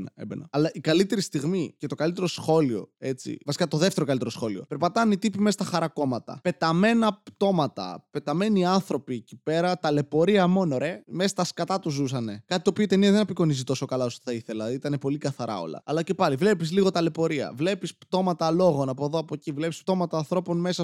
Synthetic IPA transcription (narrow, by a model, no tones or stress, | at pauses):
nbnɐlɐʔikɐlit̪e̞ɾist̪iɣmicet̪o̞kɐlit̪̬eɾo̞sxo̞lio̞̰e̞t͡sḭvɐsi̥kɐt̪o̞ðeft̪eɾokɐlit̪e̞ɾo̞sxo̞lio̞̰pe̞ɾpɐt̪ɐnit̪ipimest̪ɐxɐɾɐko̞mɐt̪ɐ̰pe̞t̪ɐme̞nɐpt̪o̞mɐt̪ɐ̰pe̞t̪ɐme̞niɐnθɾo̞piːcipe̞ɾɐt̪ɐle̞po̞ɾiɐmo̞noɾe̞mesɐst̪ɐskɐt̪ɐt̪uzusɐne̞kɐt̪i̥t̪opioit̪e̞niɐðenɐpiko̞nizit̪o̞so̞kɐlɐo̞st̪θɐiθelɐit̪ɐnepo̞likɐθɐɾʔɐ̰o̞̰lɐ̰ɐlɐce̞pɐlivle̞pisliɣo̞t̪ɐle̞po̞ɾiɐ̰vle̞pispt̪o̞mɐt̪ɐlo̞ɣo̞nɐpoðoɐpocivle̞pispt̪o̞mɐt̪ɐːnθɾo̞po̞nme̞sɐ